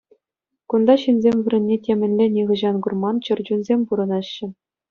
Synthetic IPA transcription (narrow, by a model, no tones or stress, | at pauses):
kund̪ɑɕinzʲemʲʋʲɘ̆ɾʲɘ̆nʲːetʲemʲɘ̆nʲlʲĕnʲiʁɤ̆ʑɑnɡurmɑnt͡ɕɤ̆rd͡ʑunzʲemʲpuɾɤ̆nɑɕːɘ̆